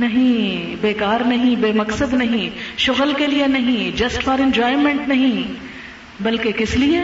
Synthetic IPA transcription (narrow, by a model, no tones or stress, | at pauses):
nɐɦĩ | beːkaːɾnɐɦĩbeːmɐksəd̪nɐɦĩʃʊɣəlkelijenɐɦĩd͡ʒɐsʈfɔːɾɪ̃ɲd͡ʒɔːɪmẽɳʈnɐɦĩ | bɐlkekɪslie